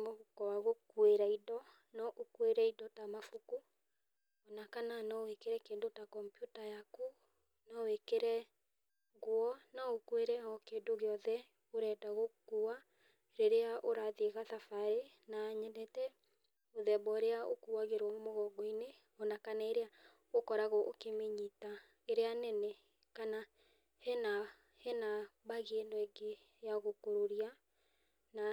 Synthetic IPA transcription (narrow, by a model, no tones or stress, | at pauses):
mofukɔwaɣokweɾaidɔ | nɔʔokweɾɛidɔtamafuku | ɔnakananɔwekeɾɛkendotakɔmpjutajaku | nɔwekeɾɛ | ɣwɔnaokweɾɛɔkeːndoɣeɔðɛ | oɾɛdaɣokua | ɾeɾeaʔoɾaðeɣaðafaɾe | naːɲɛdɛtɛ | oðɛbɔɾeaokuwaɣeɾwɔmomɔɣɔɡɔine | ɔnakanaeɾea | okɔɾaɣɔʔokemeɲita | eɾeanɛnɛ | kana | hɛna | hɛnaβaɣendoeŋɡe | jaɣokoɾoɾia | na